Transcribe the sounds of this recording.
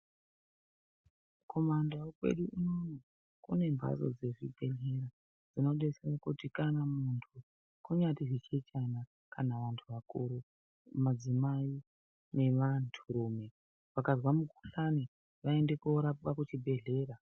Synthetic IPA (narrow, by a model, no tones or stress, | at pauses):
ko̞mandakwe̞̰ɗuʔinono | kune̞mbʱa̰zo̞̰d͡ze̞ʐibʱe̞ɮe̞ɾa | d͡zino̞ɗeserakutikanamuntʰu | kuɲatiʐit͡ʃet͡ʃana | kanaʋantʰuʋakuɾu | mad͡zimai | ne̞ʋantʰuɾuːme | ʋakazwamuku̥ɬani | ʋae̞nde̞koɾapkakut͡ʃibʱe̞ɮe̞ːɾa